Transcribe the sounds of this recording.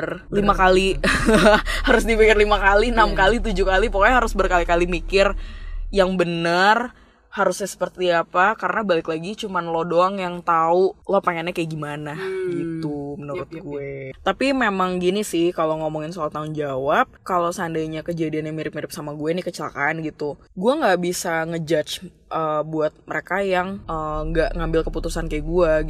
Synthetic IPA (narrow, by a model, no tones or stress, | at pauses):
r | limakali | haɾʊs̬dipikɪrlimakalinamkalit̪ud͡ʒukalipokaɦaɾʊsbərkalikalimikɪrjaŋbənər | haɾusɲasə̥pərt̪iapakaɾənabalɪklaɡit͡ʃumanlodoaŋjaŋt̪aulopaŋanɛkajaɡimanaɡit̪umənuɾʊt̪̚ɡuɛt̪apimemaŋɡinisɪhkaloŋomɔŋɪnsalat̪aʊnd͡ʒawap̚kalosandajɲakəd͡ʒadianjaŋmiɾɪp̚miɾɪp̚samaɡuɛnikət͡ʃəla̰kaːnɡit̪u | ɡuaŋɡaʔbisaŋəd͡ʒat͡ʃ | ʔəːbuat̪̚məɾekajaŋəŋɡaʔŋambɪlkəput̪usankajaɡua